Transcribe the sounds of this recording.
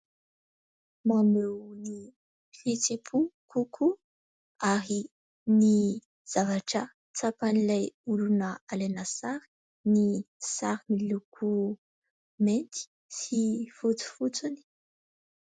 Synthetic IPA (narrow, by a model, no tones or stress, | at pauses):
mamewni | fit͡sepʰukukʰu | aɾi | ni | z̥avaʈ͡ʂə | t͡sapanilajulunəalenasaɾi̥ | nisaɾnilukʰu | ment̪i̥ | sifut͡su̥fut͡suni̥